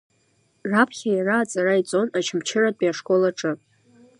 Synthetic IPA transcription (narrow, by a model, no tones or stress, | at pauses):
rapʰχʲajaraːt͡sʼarait͡sʼo̞nat͡ʃʰɪmt͡ʃʰɪradʼiaʂkʼo̞laʈ͡ʂʼɨ